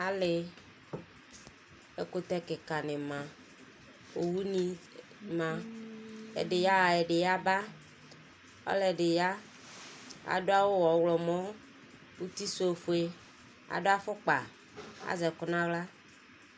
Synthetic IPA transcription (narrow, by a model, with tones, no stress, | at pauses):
a˦lɪ˦ | e˦ko˦t̪ɛ˦kɪ˨ka˨nɪ̃˨mã˨ | o˨wu˦nĩ˦ | mã˨ | ḛ˨ɖɪ˨ja˦wa˨ɛ˨ɖɪ˨ja˦ba˦ | ɔ̰˦lɛ˨ɖɪ˨ja˦ | a̰˨ɖo˦a˦wo˦wɔ˨wlɔ˨mɔ̃˦ | bu˦t̪i˦so˦˨fo˨˦e˦ | a̰˨ɖo˦a˦fʊ˦k͡pa̰˨ | a̰˦zɛ˨kʊ˨nã˦wla˦